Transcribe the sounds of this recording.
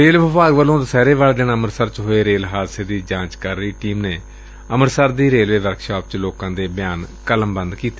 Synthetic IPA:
ɾeːlʋəpaːɡʋəlːõːd̪əsɛːɾeːʋaːld̪ɪɳəməɾsəɾt͡ʃɦoːeːɾeːlɦaːd̪seːd̪iːd͡ʒãːt͡ʃkəɾːəiːʈiːmneː | əməɾsəɾd̪iːɾeːlʋeːʋəɾkʃaːp̚t͡ʃloːkãːd̪eːbɪjaːnkələmbənd̪kiːt̪e̥ː

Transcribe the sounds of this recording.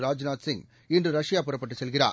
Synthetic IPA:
ɾaːd͡ʒnaːt̪sɪŋɡ | ɪndrɯɾɐʂɪjaːpʊɾɐpːɐʈːɯsɛlɣɪɾa̰ː

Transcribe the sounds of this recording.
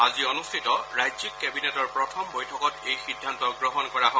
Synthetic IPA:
aziɔnustʰitɔɹajzikːɛbinɛtɔɹpɹɔtʰɔmbojtʰɔkɔtejxidʱːantɔɡɹɔɦɔnkɔɹaɦɔ

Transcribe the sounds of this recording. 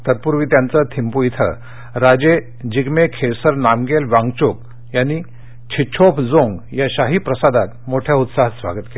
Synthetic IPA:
t̪ət̪̚puɾʋiːt̪jant͡sət̪ʰimpujit̪ʰə̰ | ɾad͡ʑe | d͡ʑiɡmekʰesəɾnamɡelʋãŋɡt͡ɕuk̚ | jani | t͡ɕʰit͡ɕʰopʰd͡zoŋɡjaɕaɦipɾəsad̪at̪̚moʈʰjaut̪saɦasʋa̰ɡət̪ke

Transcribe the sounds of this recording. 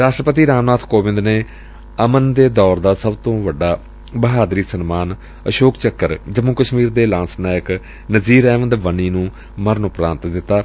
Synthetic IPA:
ɾaːʃʈɾəpət̪iːɾaːmnaːt̪ʰkoːʋɪ̃nd̪neː | əmənd̪eːd̪ɔːɾd̪aːsəbt̪õːʋəɖːaː | bəɦaːd̪ɾiːsənmaːn | əʃoːkt͡ʃəkːəɾd͡ʒəmuːkəʃmiːɾd̪eːlãːnsnaːjək | nəziːɾɛːʋənd̪ʋəniːnũː | məɾənʊpɾãːnt̪d̪ɪt̪ːaː

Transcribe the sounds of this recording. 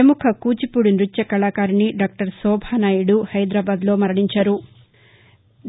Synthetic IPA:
ɐmukʰɐkuːt͡ʃipuɽinɾut͡ʃːjɐkɐɭaːkaːɾiniɖaːk̚ʈɐɾsɔːbʱaːnaːjuɽuhɐjd̪ɾaːbaːd̪lo̞ːmɐɾɐɳiɲt͡ʃaːɾu

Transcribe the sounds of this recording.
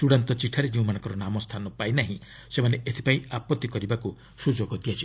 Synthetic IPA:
tuɽant̪ɔt͡ʃiʈʰaɾed͡ʒeũmanɔ̃ŋkɔɾɔnamɔst̪ʰanɔpainaɦĩ | semaneʔet̪ʰi̥paĩapɔt̪ːikɔɾibaku | sud͡ʒoɡɔd̪iat͡ʃʰi

